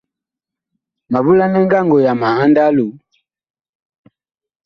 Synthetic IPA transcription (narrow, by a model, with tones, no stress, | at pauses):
ma˨βu˦la˦nɛ˦ŋɡa˦ŋɡɔ˨ja˨ma˨ha˦nda˦lu˨